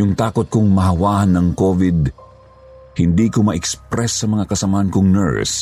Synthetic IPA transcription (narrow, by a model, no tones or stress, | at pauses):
jʊŋt̪aːkot̪̚kʊŋmɐɦɐwaːhɐnːɐŋkovɪd̪̚ | hɪnd̪iːkomɐʔɛkspɾɛsːɐmɐŋakɐsɐmahankʊŋnɛ̰ɹs